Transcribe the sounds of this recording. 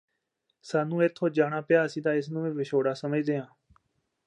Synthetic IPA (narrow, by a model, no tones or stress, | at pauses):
saːnũːet̪ʰːoːd͡ʒaːnaːpɪjaːsiːd̪aːɪsnũːẽːʋɪʃoːɽaːsəməd͡ʒd̪eːɦãː